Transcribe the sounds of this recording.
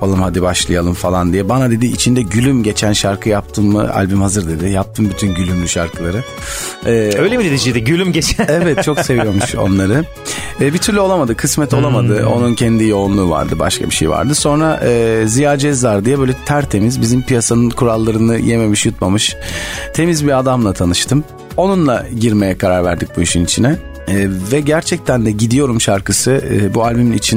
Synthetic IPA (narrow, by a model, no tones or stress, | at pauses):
alˠɯmhad̪ibaʃlˠajalˠɯmfalˠand̪ijɛbanad̪e̞d̪iːt͡ʃʰind̪ɛɟylʲymɟe̞t͡ʃʰænʃaɾkʰɯjap̚t̪ʰɯmːɯ̰a̰lʲbymhazɯɾd̪e̞d̪ɪjap̚t̪ʰɯmbyt̪ʰynɟylʲymlʲyʃaɾkʰɯlˠaɾɯ | ɛːøjlʲemid̪ed̪iʃid̪ɛɟylʲymɟet͡ʃʰevɛt̪t͡ʃʰo̞kse̞viijo̞ɾmuʃo̞̰nlˠaɾɯ | ɛːbit̪ʰyɾlʲyo̞lˠamad̪ɯkʰɯsmɛt̪ʰo̞lˠamad̪ɯo̞̰nuncʰɛnd̪ijo̞unlˠuːva̰ɾd̪ɯba̰ʃkʰa̰biʃejḭa̰ɾd̪ɯso̞nɾaʔɛːzijaːd͡ʒɛzvaɾd̪ɯjabølʲɛt̪ʰæɾt̪ʰe̞mizbizimpijasanɯnkʰuɾalˠːaɾɯnɯjeme̞miʃjut̪mamɯʃt̪ʰe̞mizbiad̪amlˠat̪ʰanɯʃt̪ʰɯm | o̞nunlˠaɟiɾme̞jɛkʰaɾaɾvæ̰ɾd̪ic̚buiʃynit͡ʃʰinɛː | vɛɟæɾt͡ʃʰɛc̚t̪ʰænd̪ɛɟid̪ijo̞ɾumʃaɾkɯsɯːbualʲbyminit͡ʃʰin